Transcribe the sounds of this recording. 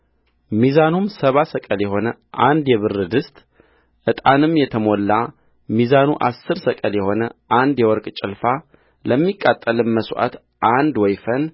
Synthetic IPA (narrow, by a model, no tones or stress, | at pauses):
mizanumsəβasəkʼəljɛho̞nəʔand̪jɛβɨrːɨd̪ɨst̪ʼ | ʔɨt̪ʼanɨmjɛt̪ʰəmo̞lːa | mizanuʔasːɨɾsəkʼəljɛho̞nəʔand̪jɛwɔɾkʼt͡ʃʼɪlfa | ləmːikʼːat̪ʼːəlɨnməsʔa̰t̪ | ʔand̪wɔjfən